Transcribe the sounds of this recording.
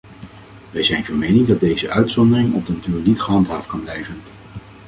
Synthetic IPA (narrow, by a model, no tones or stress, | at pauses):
ʋɛjzɛjnvɔɹmejnɪŋdɑd̚dejzəʔœɥtsɔndərɪŋɔ̰b̚dənatyːɹnitχəɦɑntɦaːft̚kɑnblɛjvən